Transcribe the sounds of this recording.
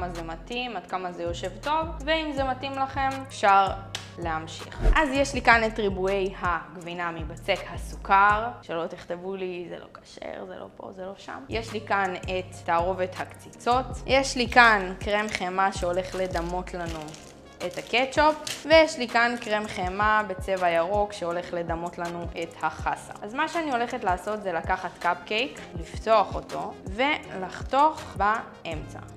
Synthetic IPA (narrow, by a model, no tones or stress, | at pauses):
mazematimad̥̪̚kamazejo̞ʃe̞vto̞vveimzematimlaχe̞mefʃaʁ | lehamʃḭχʔazjeʃlikanetʁibue̞jhaɡvinamibat͡se̞khasu̥kaʁʃelo̞t̪iχt̪evulizḛlo̞̰kḁʃḛʁzḛlo̰po̰zelo̞ʃa̰mjeʃlikanetːaːʁo̞vethakt͡sit͡so̞tjʔeʃlikankʁemχemaʃeo̞le̞χle̞damo̞tlanu | ʔethaket͡ʃopvejeʃlikankʁemχemabe̞t͡se̞vajaʁo̞kʃeo̞le̞χle̞damo̞tlanuʔethaχasa̰azmaʃeanio̞le̞χetlaːso̞t̪zelakaχatkab̚kejklifto̞aχo̞to̞ve̞laχto̞aχba | ʔemt͡sa̰